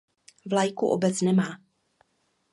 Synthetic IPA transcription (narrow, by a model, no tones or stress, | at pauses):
vlajkuʔo̰bɛt͡snɛmaː